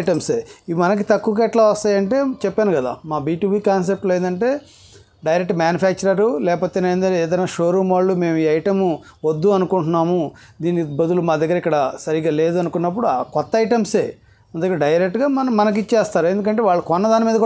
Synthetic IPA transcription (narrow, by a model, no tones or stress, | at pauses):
ʈɐmseːimɐnɐk̬it̪ɐkːuːk̬ɛːʈlaːʋɐst̪aːjɐɳʈe̞ːt͡ʃɛpːaːnuɡɐd̪a̰ːmaːbiːʈuːbiːkaːns̬ep̚ʈleːnd̪ɐɳʈe̞ː | ɖɐjɾek̚ʈmjaːnjupʰaːk̚t͡ʃɐɾɐɾulɛːkɐpoːt̪eːnend̪ɐeːd̪ɐjnːaːʃoːɾuːmʋaːɭːume̞ːmuiːɐjʈɐmu | ʋod̪ːuɐnukuɳʈunːaːmud̪iːnːibɐd̪ulumaːd̪ɐɡːɐɾɐikːɐɽɐsɐɾiɡaːle̞ːd̪uɐnukunːɐp̬ːuɽuakɔt̪ːɐɐjʈɐmsḛː | ɐnd̪ɐkeɖɐjɐɾek̚ʈɡaːmɐnmɐnɐk̬it͡ʃːt͡ʃɛːst̪aːɾuend̪uk̬ɐɳʈeːʋaːɭːɐkɔnːɐd̪aːnimiːd̪ɐku